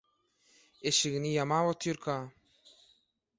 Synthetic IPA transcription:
eɕiɣnijamaːwot̪ʰjuɾkʰa

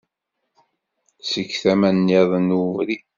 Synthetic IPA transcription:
səkːθæmænjeðˤənuvɾi

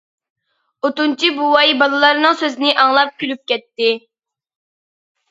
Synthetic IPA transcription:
ot̪unt͡ʃʰibuwɑjbɑlˠɨlˠɑɾnɨŋsøzɪnɪʔɑŋlˠɑp̚kʲʰylyp̚kʲɛt̪ːɪ

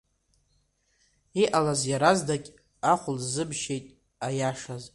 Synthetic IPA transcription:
iʔalazjaɾazdakʲʼ | aχʷʊlzɨbʃejtʼ | ajaʂaz

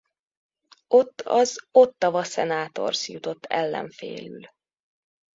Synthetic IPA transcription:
o̞t̪ːɒzo̞t̪ːɒvɒsɛnaːt̪o̞̰rsjut̪o̞t̪ʰːɛlːɛ̰ɱfḛːlyl

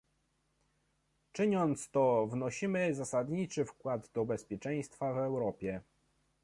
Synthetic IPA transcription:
t͡ʂɘɲɔnt̪st̪ɔvnɔɕimɘzasad̪ɲit͡ʂɘfkwad̪d̪ɔbɛspʲjɛt͡ʂɛj̃st̪favɛwɾɔpʲjɛ

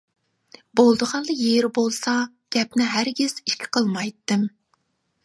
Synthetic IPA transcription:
bolˠd̪əʁɑnlˠəjeɾbolˠsɑ | ɡ̥ʲɛp̚nɪɦæɾɡʲiz̥iʃkʲʰi̥qʰəlˠmɑjt̪ːɨm

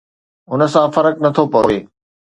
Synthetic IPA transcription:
ʊn̆sãfɐɾəknɐt̪ʰopɐjoeː

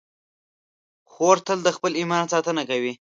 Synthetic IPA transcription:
xoɾt̪əld̪əxpəlimɑnsɑt̪ənakawi

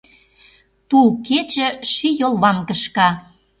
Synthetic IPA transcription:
t̪ulket͡ɕə̆ʃijolˠβɑmkə̆ʃkɑ

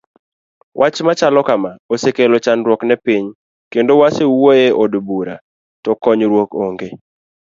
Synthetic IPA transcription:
wʔat͡ʃmat͡ʃalɔkamaosekelot͡ʃanɾwɔknɛpiɲ | kendowasewwoeʔodbuɾa̰ | tɔkɔɲɾwokoŋɡe

